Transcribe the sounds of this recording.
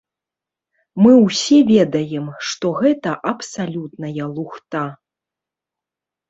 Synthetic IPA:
mɨwsʲɛvʲɛd̪ɐjɛmʂt̪ɔɣɛt̪ɐʔɐpsalʲut̪nɐjɐlˠuxt̪a

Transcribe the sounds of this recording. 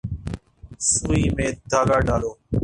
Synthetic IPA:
suːiːmẽːd̪ʱaːɡaːɖaːloː

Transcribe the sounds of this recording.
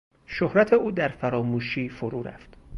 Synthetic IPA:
ʃohɾæt̪ʰeuːd̪æɾfæɾɒːmuːʃiːfoɾuːɾæ̰ft̪

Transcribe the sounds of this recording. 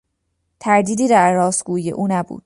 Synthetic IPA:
t̪ʰæɾd̪iːd̪iːd̪æɾːɒːsɡ̥uːijḛʔuːnæbṵːd̪̥

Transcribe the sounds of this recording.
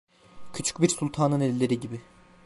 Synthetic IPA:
cʰyt͡ʃʰy̥c̚biɾsulʲˠt̪ʰaːnɯnelilʲe̞ɾiɟibɪ

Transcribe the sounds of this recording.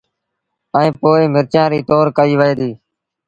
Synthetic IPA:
əẽːpoːeːmɪɾt͡ʃãːɾiːt̪oːɾkəiːʋəeːd̪iː

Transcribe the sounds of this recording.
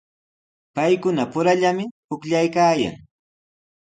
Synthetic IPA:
pajkʊnapʊɾaʎamɪhʊkʎajkaːja̰ŋ

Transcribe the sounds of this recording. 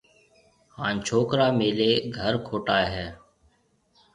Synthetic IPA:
hãːnt͡ʃʰoːkɾaːmeːleːɡʱəɾkʰoːʈaːɦɛː

